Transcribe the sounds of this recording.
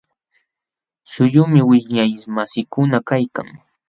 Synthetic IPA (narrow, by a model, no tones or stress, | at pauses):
sʊjʊmɪwɪɲajmasɪkʊnakajka̰ŋ